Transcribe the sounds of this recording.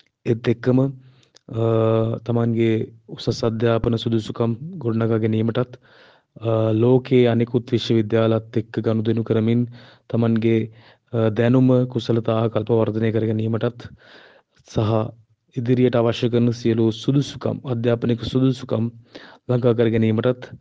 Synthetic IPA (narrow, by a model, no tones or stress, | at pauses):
et̪ːekːɐmə | t̪ɐmɐnɡeusɐsɐd̪jaːpɐnɐsud̪ʱusukɐmɡoɖnɐkaɡenijmɐʈɐt̪ | loːkeːɐnekut̪ʋiʃjɐʋid̪jaːlɐɐt̪ːekːɡɐnud̪enukɐɾɐmin | t̪ɐmɐnɡe | d̪ɛnuməkusɐlɐt̪aːɦɐkɐlpɐʋɐɾd̪ʱɐneːkɐɾɡɛniːmɐʈɐt̪ | sɐɦɐ | id̪iɾijɐʈaːʋɐʃjɐkɐɾnəsijɐlusud̪usu̥kɐ̰mɐd̪jaːpɐniksud̪usukɐmlɐɡakɐɾɡɛniːməʈɐt̪